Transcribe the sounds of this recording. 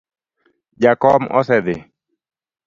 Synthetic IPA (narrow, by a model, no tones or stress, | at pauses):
d͡ʒakɔmʔɔ̰sɛd̪ɪ